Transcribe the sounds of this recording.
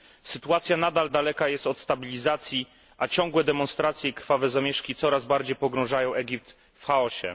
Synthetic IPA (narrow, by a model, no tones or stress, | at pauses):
sɘt̪uat̪sʲjanad̪ald̪alɛkajɛst̪ɔt̪st̪abʲilʲizat̪sʲji | ʔat͡ɕɔ̃ŋɡwɛd̪ɛmɔ̃nst̪ɾat̪sʲjɛikɾfavɛzamʲjɛʂkʲit̪sɔɾazbaɾd͡ʑejpɔɡɾɔ̃w̃ʐajɔ̃w̃ʔɛɡʲip̚t̪ | fxaɔɕɛ̰